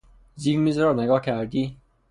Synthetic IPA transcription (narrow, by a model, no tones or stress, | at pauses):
zilmizɔɾɑɾneɡɒːhcʰæɾd̪iː